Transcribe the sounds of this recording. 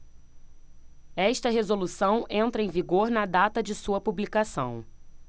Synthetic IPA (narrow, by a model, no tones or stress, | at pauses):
ɛʃt̪ɐɦezolusɐ̃w̃ẽnt̪ɾɐẽviɡoɾnɐd̪at̪ɐd͡ʒɪsuɐpublikasɐ̃w̃